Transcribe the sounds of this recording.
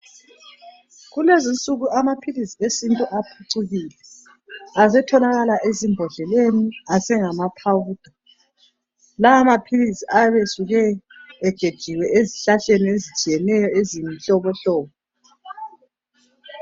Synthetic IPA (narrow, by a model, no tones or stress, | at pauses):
ɣulezint͡sʼuɣuʔamapʰilisiesintʼuʔapʰuǀuɣiːlɛ | azɛtʰɔlaɣalaʔezimbʱɔɮɛleniasɛŋamapʰawud̥ʱa | laamapʰilisiajβesuɣɛː | ɡ̥ʱed̥ʒ̥ʱiwɛeziɬaɬeniezit͡ʃʼijɛnɛjɔezimiɬɔβɔɬɔːβɔ